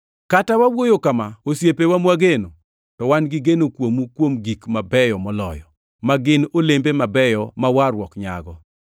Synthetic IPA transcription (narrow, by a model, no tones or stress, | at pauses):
katawawojokamaosjepewamwaɡeno | tɔwanɡɪɡenokwomukwomɡikmabɛjɔmɔlɔ̰jɔ | maɡɪnolembemabɛjɔmawaɾwɔkɲa̰ɡɔ